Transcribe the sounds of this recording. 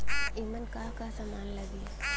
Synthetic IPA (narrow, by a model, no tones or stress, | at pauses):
imənkakasamanlaɡi